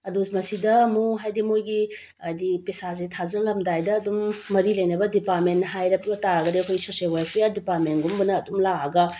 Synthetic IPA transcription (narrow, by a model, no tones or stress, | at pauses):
ɐdumɐsidɐmuɦajdimojɡi | ɐjdipesazetʰazɐlɐmdajdɐːdumːɐɾilɐjnɐbɐdipaɾmenːɦajɾɐpɐtaɾɐɡɐdiɐkʰojsosielwajpʰejaɾdipaɾmenɡumbɐnɐːdumlaɡaɡɐ